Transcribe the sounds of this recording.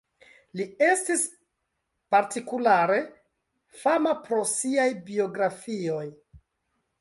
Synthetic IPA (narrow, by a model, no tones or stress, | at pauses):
lie̞stis | paɾtikulaɾe̞ | famapɾo̞siajbio̞ɡɾafio̞j